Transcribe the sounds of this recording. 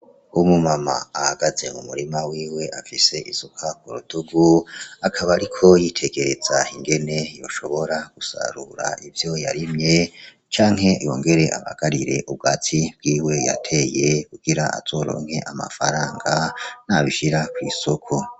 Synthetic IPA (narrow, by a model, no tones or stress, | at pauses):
umumama̰ːhaɡaze̞mumuɾimawiːwe̞ʔafise̞ʔiz̥ukʰakuɾuduɡuakʰaβaɾikʰo̞jitʰe̞ɡe̞ɾe̞zaiŋɡe̞ne̞jo̞̰ʃo̞βo̞ɾaɡ̥usa̰ɾuɾa̰ivjo̞ja̰ɾimɲe̞ | t͡ʃaːŋɦe̞jo̞ŋɡe̞ɾe̞ʔa̰βa̰ɡ̥aɾiɾe̞ʔub̚ɡatʰib̥̚ɡ̥iːwe̞ja̰tʰe̞jekuɡ̥iɾaʔa̰z̥o̞ɾo̞̰ːŋ̥he̞ʔama̰faɾaːŋɡanaβiʃiɾakwḭːsokʰo